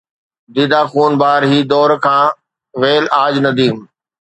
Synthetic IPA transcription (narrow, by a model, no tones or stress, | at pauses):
d̪iːd̪aːxuːnbaːɾɦiːd̪ɔːɾkʰãː | ʋeːlaːd͡ʑnɐd̪iːm